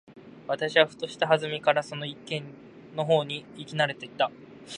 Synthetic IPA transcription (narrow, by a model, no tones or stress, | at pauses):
βat̪aɕiβaɸɯ̥t̪o̞ɕi̥t̪aɦazɨmʲikaɾaso̞no̞ikːẽ̞n | no̞ɦo̞ːɲ̟iːkʲinaɾe̞t̪e̞it̪a